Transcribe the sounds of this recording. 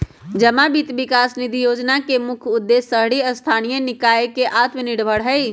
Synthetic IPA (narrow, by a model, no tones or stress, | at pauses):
d͡ʒəmabit̪bikasnid̪ʱijod͡ʒnakemukʰud̪ːesəɦɽiəst̪ʰanijənikaekeʔat̪məniɽbʱəɽɦəj